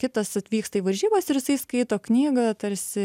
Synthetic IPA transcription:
kʲɪt̪ɐsɐt̪ʲʋʲiːkst̪ɐiʋɐɾʲʒʲiːbɐsɪɾjɪsɐɪskɐɪt̪oːknʲiːɡɐt̪ɐɾʲsʲɪ

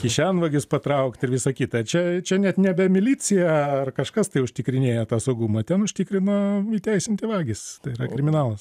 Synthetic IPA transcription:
kʲɪʃʲænʋɐɡʲɪspɐt̪ɾɐʊkt̪ɪɾʋʲɪsɐkʲiːt̪ɐt͡ʃʲɛt͡ʃʲɛnʲɛt̪nʲɛbʲɛmʲɪlʲiːt͡sʲɪjɛɐrkɐʃkɐst̪ɐɪʊʃʲt̪ʲɪkɾʲɪnʲeːjoːt̪ɑːsɐʊɡumɐt̪ʲɛnʊʃʲt̪ʲikɾʲɪnoit̪ʲɛɪsʲɪnʲt̪ʲɪʋɑːɡʲɪst̪ɐɪɪrɐkɾʲɪmʲɪnɑːlˠɐs

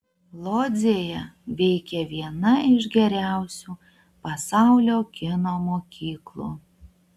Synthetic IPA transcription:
lˠoːd̪zʲeːjɛʋʲɛɪkʲɛʋʲiɛnɐɪʒɡʲɛɾʲæˑʊsʲuː | pɐsɑˑʊlʲoːkʲɪnoːmoːkʲiːklˠṵː

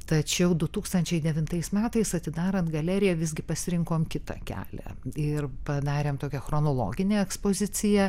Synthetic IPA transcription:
t̪ɐt͡ʃʲɛʊd̪ʊt̪uːkst̪ɐnʲt͡ʃʲɛɪd̪ʲɛʋʲɪnt̪ɐɪsmʲæːt̪ɐɪsɐt̪ʲɪd̪ɑːɾɐnt̪ɡɐlʲæːɾʲɪjɛʋʲɪzɡʲɪpɐsʲɪɾʲɪŋkoːmkʲɪt̪ɐ̰kʲæ̰ːlʲæ̰ɪrpɐd̪ɑːɾʲeːmt̪oːkʲɛxɾoːnoːlˠo̰ːɡʲɪnʲeːɛkspoːzʲɪt͡s̪ʲɪjɛ

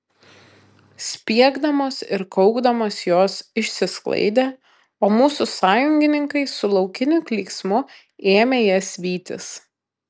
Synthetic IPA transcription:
sʲpʲiɛɡd̪ɐmoːsɪ̰ɾkɔʊɡd̪ɐmoːsjoːsɪʃʲsʲɪsklˠɐ̰ɪd̪ʲeː | oːmuːsʊsɑːjʊŋʲɡʲɪnʲɪŋkɐɪsʊlˠɒʊkʲɪnʲʊklʲiːksmʊ | eːmʲeːjɛsʲʋʲiːt̪ʲɪ̰s

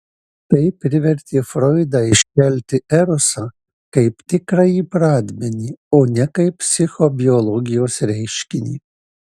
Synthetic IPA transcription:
t̪ɐɪpʲɾʲɪʋʲɛɾʲt̪ʲeːfɾɔɪd̪ɑːɪʃʲkʲɛlʲt̪ʲɪɛɾɔsɑ | kɐɪpt̪ʲɪkɾɐjiːpɾɑːd̪ʲmʲɛnʲiːoːnʲɛkɐɪppsʲɪxobʲɪɔlˠɔːɡʲɪjoːsɾʲɛɪʃʲkʲɪnʲḭː

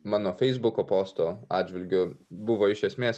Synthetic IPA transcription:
mɑːnoːfʲɛɪzbʊkoːpoːst̪oːɑ̰ːdʲd͡ʒʲʋʲɪlʲɡʲʊbʊʋoːɪʃʲɛsʲmʲeːs

